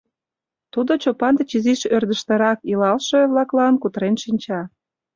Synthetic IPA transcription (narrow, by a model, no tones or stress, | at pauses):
t̪ud̪ot͡ɕopɑnd̪et͡ɕiziʃørd̪əʃt̪ə̆ɾɑkilɑlʃeβlɑklɑnkut̪ɾenʃinʲt͡ɕɑ